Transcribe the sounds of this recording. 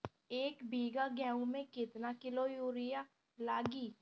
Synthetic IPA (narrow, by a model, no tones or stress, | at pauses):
eːkbʱiːɡaɡɛːũmẽkɪt̪nakɪlojuːɾɪja | laːɡiː